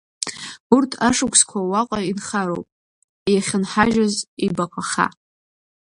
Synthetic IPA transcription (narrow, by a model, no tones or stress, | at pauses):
urtʰaʂɨkʷʰskʷʰawaqʼainχaɾo̰wpʼ | jaχʲɪnħaʒazibakʷʰaχa̰